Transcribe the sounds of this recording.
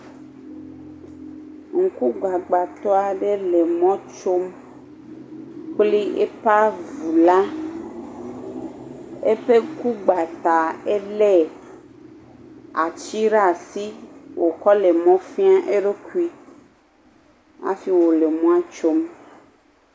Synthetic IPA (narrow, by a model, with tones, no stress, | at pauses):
ŋ̩˨ku˦ɡ͡ba˨ɡ͡ba˨t̪ɔ˦a˨ɖe˦le˨mɔ̃˦t͡ʃo˦m | k͡pli˦ḛ˦pa˦vu˨la˦ | ḛ˦ɸe˦ku˦ɡ͡ba˨t̪a˨e˦le˦ | a˨t͡ʃi˦ɖa˦˨si˦wʔo˨kɔ˦le˨mɔ̃˦fĩ˦a˦ʔe˦ɖo˦ku˦i˦ | a̰˦si˦wo˨le˨mɔ̃˦a˦t͡ʃo˦m